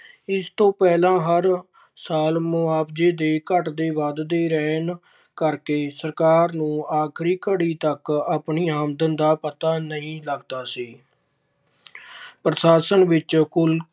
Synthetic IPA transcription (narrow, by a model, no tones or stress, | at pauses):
ɪst̪õːpɛːlãːɦəɾ | saːlmʊaːpd͡ʒeːd̪eːkəʈd̪eːʋad̪d̪eːɾɛːn | kəɾkeːsəɾkaːɾnũːaːkʰɾiːkəɽiːt̪əkəpɳiːaːmd̪ənd̪aːpət̪aːnəĩːləɡd̪aːsiː | pɾəʃaːsənʋɪt͡ʃkʊl